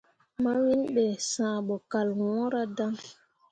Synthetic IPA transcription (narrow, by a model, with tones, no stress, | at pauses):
ma˦wi˦nɓɛ˨sãː˨ɓɔ˨ka˨lwɔ̃˦ɾa˦da˦ŋ